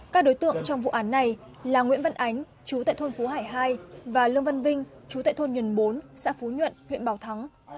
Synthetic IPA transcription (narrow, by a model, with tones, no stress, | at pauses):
kaː˦˥k̚ɗo˨˦jt̪ɨ̰˧˨əŋt͡ɕɔ˧wŋ͡mvṵ˧˨ʔaː˨˦nːa˨˩j | laː˨˩ŋwḭ˧˥ənvə˧nʔa˨˦jŋ̟ | t͡ɕu˨˦t̪a̰ː˧˨jt̪ʰo˧nfu˨˦ɦaː˧˩jɦaː˧jvaː˨˩lɨ˧əŋvə˧nvï˧ŋ̟t͡ɕu˨˦t̪a̰ː˧˨t̪ʰo˧nɲwə˨˩nɓo˨˦nsa̰ː˧˥fu˨˦ɲwə̰˧˨nhḭ˧˨ənɓaː˨˩wt̪ʰa˨˦ŋ